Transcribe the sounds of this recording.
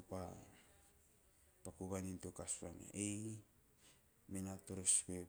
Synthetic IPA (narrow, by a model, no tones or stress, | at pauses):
pa | pakuβanintokasuaŋa̰ʔe | minatoɾospe